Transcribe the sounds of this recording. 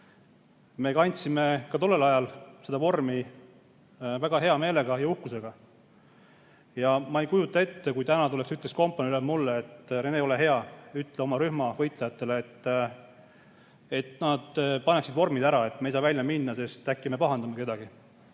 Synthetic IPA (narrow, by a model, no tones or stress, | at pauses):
me̞kɑnʲt̪sime̞kɑt̪o̞lːe̞lɑjɑlse̞d̪ɑvo̞rmi | væɡ̥ɑɦe̞ɑme̞ːle̞ɡ̥ɑjɑuhkuse̞ɡ̥ɑ | jɑmɑe̞jkujut̪ːˑɑe̞t̪ːe̞kujt̪ænɑt̪ule̞ksyt̪lesko̞mpːˑɑnylemulːeet̪ːɾeneo̞le̞ɦe̞ɑyt̪ːˑleo̞mɑɾyhmɑvɤjt̪ˑlejɑt̪ːˑe̞leːt̪ː | e̞t̪nɑd̪̥pɑneksid̪̥vo̞rmid̪æɾɑe̞t̪ːmejsɑːvælʲjɑminːɑse̞st̪ækːime̞pɑɦɑnd̪ɑmɑke̞d̪ɑɡ̥i